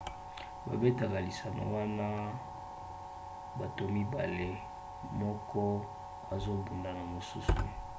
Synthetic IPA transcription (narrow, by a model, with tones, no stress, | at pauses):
ba̰˨be˦ta˨ka˨li˨sa˨na̰˨wa˦na˦ | ba˨to˨mi˦ba˨le˦ | mɔ˦kɔ˦ | a˨zo˦bu˨nda˨na˨mo˨su˦sṵ˨